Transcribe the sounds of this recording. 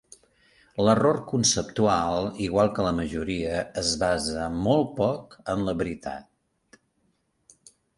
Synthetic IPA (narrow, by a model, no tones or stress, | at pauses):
lərorkunsəp̚t̪ualˠiɣwalˠkələməʒuɾiəːzβazəmɔl̚ˠpɔkəmləβɾit̪a̰t̪̚